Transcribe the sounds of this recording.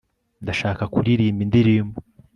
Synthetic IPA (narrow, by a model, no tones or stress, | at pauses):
ndaʃaːkakuɾiɾiːmbindiɾiːmu